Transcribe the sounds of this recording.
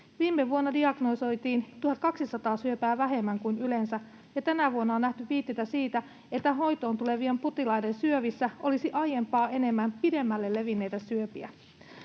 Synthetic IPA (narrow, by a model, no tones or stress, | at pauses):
ʋiːmːeʋuonːɑdiɑɡ̥noso̞jt̪iːnt̪uhɑt̪kɑksisɑt̪ɑːsyøpæːʋæɦe̞mːæŋkujnyle̞nsæ | jɑt̪ænæʋuonːɑonːæht̪yʋiːt̪ːeit̪æsiːt̪æ | et̪ːæɦo̞jt̪o̞ːnt̪ule̞ʋiemput̪ilɑjdensyøʋisːæʔo̞lisiʔɑje̞mpɑːʔe̞ne̞mːæmpide̞mːælːe̞lːe̞ʋinːe̞jt̪æsyøpiæ